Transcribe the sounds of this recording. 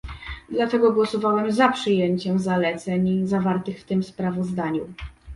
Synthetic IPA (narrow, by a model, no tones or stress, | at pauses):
d̪lat̪ɛɡɔɡwɔsɔvawɛmzapʂɘjeɲt͡ɕɛmzalɛt̪sɛɲzavaɾt̪ɘxft̪ɘmspɾavɔzd̪aɲu